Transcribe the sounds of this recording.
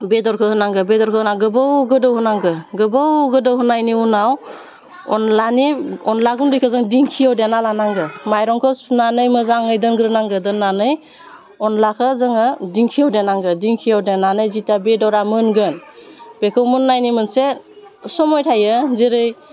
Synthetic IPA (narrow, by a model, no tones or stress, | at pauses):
bedɔɾkʰɯhɯnaŋɡɯbedɔɾkʰɯhɯnaɡɯbɯwɡɯdɯwhɯnaŋɡɯɡɯbəwɡɯdɔwhɯnajniunaw | ɔ̰nlaniɔnlaɡundɯjkʰɯzɯŋdiŋkʰijawdjenalanaŋɡɯmajɾɔŋkʰɯsunanɯjmɯzaŋɯjdɯnɡɾɯnaŋɡɯdɯnːanɯj | ɔnlakʰɯzɯŋɯdiŋkʰijawdenaŋɡɯdiŋkʰijawdenanɯjzitabedɔwɾamɯnɡɯnb̥ekʰɯwmɯnːajnimɯnse | sɔmɔjtʰajɯzeɾɯj